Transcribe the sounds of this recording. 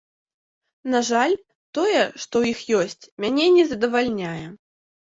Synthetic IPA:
naʐalʲ | t̪ɔjɛʂt̪ɔwixjɔsʲt͡sʲmʲanʲɛnʲɛzɐd̪ɐvalʲnʲajɛ

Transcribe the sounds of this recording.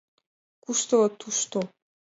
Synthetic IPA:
kuʃt̪ot̪ʰuʃt̪o

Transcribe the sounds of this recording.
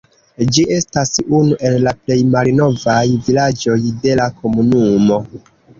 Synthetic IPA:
d͡ʒie̞stasunuʔe̞lːaple̞jmalno̞vajvilad͡ʒo̞jde̞lakʰo̞munumo̞

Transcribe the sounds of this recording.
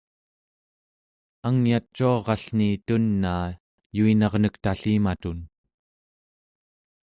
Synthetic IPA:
aŋjat͡ʃːuɑʁɑɬnit̪unːaː | juinɑʁnəkt̪aɬimat̪un

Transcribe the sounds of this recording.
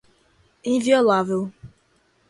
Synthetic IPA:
ĩnviɔlavel

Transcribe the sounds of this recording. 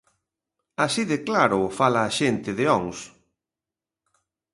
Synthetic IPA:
asiðeklaɾʊfalaːʃent̪ɪðɪɔŋs

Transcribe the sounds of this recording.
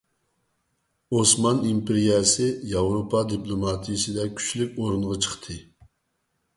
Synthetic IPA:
osmɑnimpɪɾiɛsɪjɑvɾopʰɑd̪iplˠomɑt̪ʰijisɪd̪ɛkʲʰy̥t͡ʃlykʲoɾunʁɑt͡ʃʰə̥χt̪ʰɨ

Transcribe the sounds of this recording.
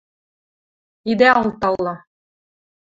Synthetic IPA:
id̪æɑlˠt̪ɑlˠːɑ

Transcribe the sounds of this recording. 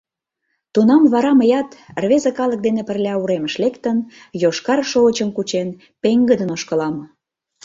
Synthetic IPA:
t̪unɑmβɑɾɑməjɑt̪rβezəkɑlək̚d̪enepə̆rlʲɑuɾeməʃlekt̪ən | joʃkɑrʃoot͡ɕəmkut͡ɕen | peŋɡəd̪ənoʃkə̆lɑm

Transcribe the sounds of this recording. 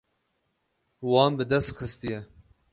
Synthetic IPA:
wɑːnbɨd̪ɛst̪xɨst̪ijɛ

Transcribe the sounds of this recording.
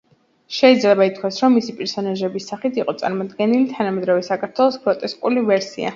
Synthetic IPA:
ʃɛid̪zlɛbait̪̚ʰkʰwasɾɔmːisipʼɛɾsɔnaʒɛbisːaχit̪ʰiqʼɔt̪sʼa̰ɾmɔd̪ɡɛnilit̪ʰanamɛd̪ɾavɛsakʰaɾt̪ʰwɛlˠɔspʰʼɾɔt̪ʼɛskʼulivɛɾsḭa̰

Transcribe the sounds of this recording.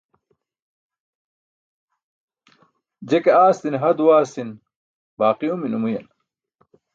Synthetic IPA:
d͡ʑekeaːst̪inɦɐd̪uwaːsin | baːqiuminumujɐ̰n

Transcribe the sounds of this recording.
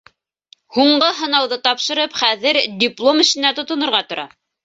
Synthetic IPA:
huɴɢɤɦɤ̆nɑwðɤt̪ɑpʃɤ̆ɾɤpχæðɘɾdʲiplˠomɘ̆ʃɘ̆næt̪ŏt̪ŏnŏɾʁɑt̪ŏɾʔɑ

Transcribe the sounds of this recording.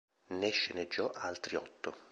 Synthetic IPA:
neʃːened͡ʒːɔʔalt̪ɾiɔt̪ʰːo

